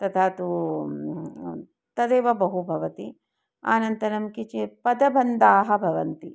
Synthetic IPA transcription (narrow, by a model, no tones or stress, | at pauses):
t̪ɐt̪ʰaːt̪u | t̪ɐd̪eːʋɐbɐɦubʱɐʋɐt̪i | a̰ːnɐnt̪ɐnɐmkit͡ʃipɐd̪ɐbʱɐnd̪aːɦɐbʱɐʋɐnt̪i